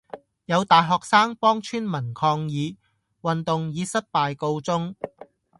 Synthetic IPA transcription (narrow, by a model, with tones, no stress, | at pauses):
jɐ˨˧wt̪aː˨jɦɔː˨k̚saː˥ŋpɔː˥ŋt͡ʃʰyː˥nmɐ˨˩nkʰɔː˧ŋjiː˨˧ | wɐ˨nt̪ʊ˨ŋjiː˨˧˥sɐ˥t̚paː˨jko˧wt͡sʊ˥ŋ